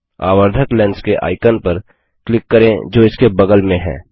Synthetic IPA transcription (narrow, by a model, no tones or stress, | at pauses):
a̰ːwəɾd̪ʱəklɛ̃ːnskeʔa̰ːɪkənpəɾ | klɪkːəɾẽd͡ʒoːɪskebɐɡəlmẽɦɛ̰̃ː